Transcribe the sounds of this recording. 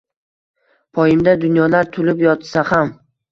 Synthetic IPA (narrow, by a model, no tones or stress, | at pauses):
pʰɒjɪmd̪ad̪ʊnjɒlaɾt̪ʰʊlɪpjɒt̪saham